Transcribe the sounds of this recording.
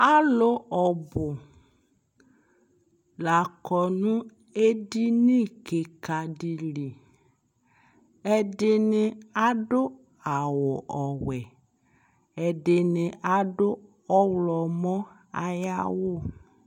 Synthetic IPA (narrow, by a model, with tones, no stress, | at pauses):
a˦lʊ˦ɔ˨bʊ˨ | la˨kɔ˨nũ˦ | e˦di˦nĩ˦ke˨ka˨di˨li˨ | ɛ˦dɪ˦nɪ˦a˦ɖʊ˦ | a˨wʊ˨ʔɔ˨wɛ˨ | ɛ˨dɪ˨nɪ˨ʔa˨dʊ˦ | ɔ˦wlɔ˨mɔ̃˦ | a˦ja̰˦wʊ˦˨